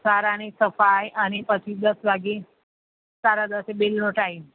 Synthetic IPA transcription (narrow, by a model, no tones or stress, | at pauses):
saɾañisəfajañipət͡ɕʰiːd̪əsʋaɡi | saɾad̪əsebelnoʈai